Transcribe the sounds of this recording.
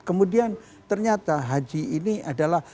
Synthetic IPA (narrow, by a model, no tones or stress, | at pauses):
kəmudian | t̪ərɲat̪aɦad͡ʒiiniʔadalah